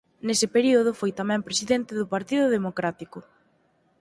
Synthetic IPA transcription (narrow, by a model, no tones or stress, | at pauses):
nesɪpeɾiʊð̞ʊfojt̪amɛ̃mpɾesiðent̪ɪðʊpaɾt̪iðʊðemokɾat̪ikʊ